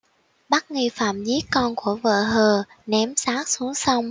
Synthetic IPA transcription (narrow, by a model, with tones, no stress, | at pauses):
ɓa˦˥k̚ŋi˧fa̰ː˧˨mzi˨˦˥kɔ˧nku˧˩əvə̰ː˧˨ɦəː˨˩ | nɛ˨˦msaː˦˥k̚su˨˦əŋsa˧wŋ͡m